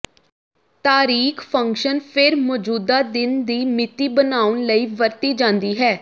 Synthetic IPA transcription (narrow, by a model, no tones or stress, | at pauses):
t̪aːɾiːkʰpʰə̃ŋkʃənpʰɪɾmɔːd͡ʒuːd̪aːd̪ɪnd̪iːmɪt̪iːbənaːʊɳləiːʋəɾt̪iːd͡ʒãːnd̪iːɦɛː